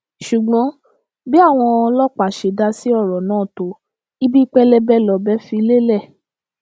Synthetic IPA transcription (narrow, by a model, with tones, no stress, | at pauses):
ʃu˨ɡ͡bɔ̃˨˦ | bi˦a˦˨w̃ɔ̃˧lɔ˦k͡pa˨ʃe˨da˧si˦ɔ˦˨ɾɔ˨nãː˨˦˨to˨˦ | i˦bi˦k͡pɛ˦lɛ˦bɛ˦lɔ˨bɛ˦fi˧le˦lɛ˦˨